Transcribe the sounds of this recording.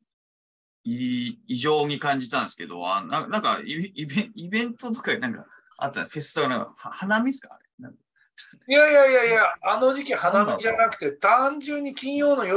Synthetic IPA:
iːʑo̞ːɲ̟ikãɲ̟d͡ʑit̪ãnd̪esɨ̥ke̞d̪o̞̰a̰nnãnãŋka̰iibẽibẽ̞nt̪o̞t̪okaɡinãŋka̰ | a̰t̪ːã̰ɸe̞sɨ̥t̪oɡanãŋkahahanamʲisɨ̥ka̰ːɾenã̰ŋk̚ | jajajajaano̞d͡ʑikʲihanamiʑanakɯ̟̥t̪e̞t̪ãɲd͡ʑɨ̃ɲ̟ːikʲĩɰ̃jo̞ːnojo

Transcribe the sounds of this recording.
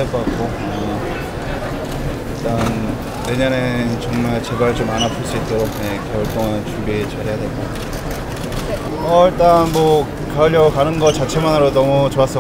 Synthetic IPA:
eɭk͈ʌk͈ak͈̚o | ʌ | iɭt͈an | we̞ɲʌnet͡ɕʌŋmaɭt͡ɕe̞baɭt͡ɕomanapʰuɭs͈uit̚t͈ʌɾonjekjʌɭt͈oŋant͡ɕumbiet͡ɕaɾejadwe̞ɡo | ʌiɭt͈anmʌ | kaɯʎjʌɡokanɯnɡʌt͡ɕat͡ɕʰe̞monaɾonʌmut͡ɕoas͈ʌ

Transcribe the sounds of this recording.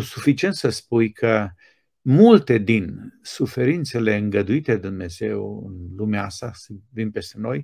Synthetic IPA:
sufit͡ʃie̞nt̪səspujkʰə | mult̪e̞d̪insufe̞ɾint̪se̞le̞ɨŋɡəd̪uit̪ed̪ed̪umne̞ze̞wɨ̰nlumeaast̪asvinpe̞st̪eno̞j

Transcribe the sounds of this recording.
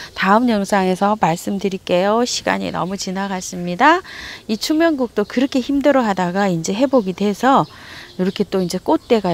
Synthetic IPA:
taɯmɲʌŋsʰaŋe̞sʰʌmaɭs͈ɯmdɯɾik͈e̞joɕʰiɡa̰ɲḭnʌ̰mut͡ɕinaɡas͈ɯmɲidait͡ɕʰumjʌnɡuk̚t͈okɯɾʌkʰe̞çimdɯɾʌɦadaɡaind͡ʑe̞ɦe̞boɡidwe̞sʰʌiɾʌkʰe̞t͈oind͡ʑe̞k͈ot̚t͈e̞ɡa

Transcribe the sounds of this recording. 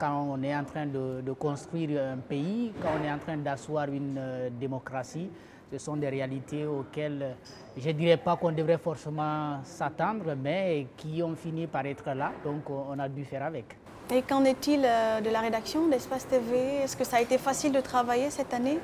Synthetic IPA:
kɑ̃ɔ̃nɛɑ̃t̪χɛ̃d̪əd̪əkɔ̃st̪χɥiːʁɛ̃peikãɔ̃nɛɑ̃t̪χɛ̃d̪aswaːʁynd̪emɔkʁasi | səsɔ̃d̪eʁealit̪eokɛl | ʒəd̪iʁɛpakɔ̃nd̪əvʁɛfɔʁsemɑ̃sat̪ɑ̃d̪ʁəmɛkiɔ̃finipaʁɛt̪χəlad̪ɔ̃kɔ̃ɔ̃nad̪yfɛʁavɛk | ekɑ̃nɛt̪iləd̪əlaʁed̪aksjɔ̃d̪ɛspast̪eveɛskəsaːet̪efasild̪ət̪χavajesɛt̪ane

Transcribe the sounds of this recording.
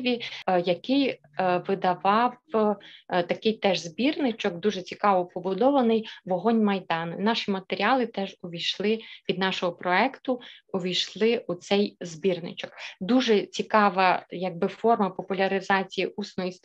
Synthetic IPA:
ʋʲijɐkɪj | ʋɪd̪ɐʋɑw | t̪ɐkɪjt̪ɛʒzbʲirnɪt͡ʃɔkd̪uʒɛt͡sʲikɑʋɔpɔbʊd̪ɔʋɐnɪjʋɔɦɔnʲmɐjd̪ɑnɪ̰nɑʃimɐt̪eɾʲiɑlˠɪt̪ɛʒɔʋʲijʃlˠɪʋʲid̪nɑʃɔɦɔpɾɔɛkt̪ʊɔʋʲijʃlˠɪut̪sɛjzbʲirnɪ̰t͡ʃɔkd̪uʒɛt͡sʲikɑʋɐjɐɡ̚bɪfɔrmɐpɔpʊlʲɐɾɪzɑt͡sʲijiʔusnɔjis

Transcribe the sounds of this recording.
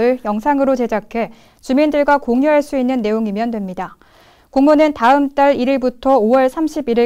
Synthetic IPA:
ɯɭjʌŋsʰaŋɯɾot͡ɕe̞d͡ʑakʰe̞ | t͡ɕumindɯɭɡwakoŋɲjuɦaɭs͈uinːɯnːe̞joŋimjʌndwemɲida | koŋmunɯntaɯmt͈aɾiɾiɭbutʰʌowʌɭsʰamɕʰibiɾi

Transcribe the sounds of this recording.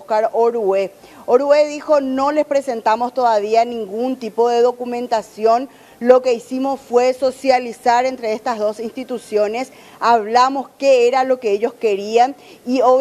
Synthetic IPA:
kaɾoɾue | oɾueðixo̞nole̞spɾese̞nt̪amost̪oðaβianĩŋɡunt̪ipoðe̞ðo̞kumẽ̞nt̪asjo̞n | lo̞ke̞isimo̞sfwe̞so̞sjalisaɾent̪ɾeest̪aɦðo̞sinst̪it̪usjone̞s | aβlamo̞skeeɾalo̞keeʎo̞ske̞ɾianio

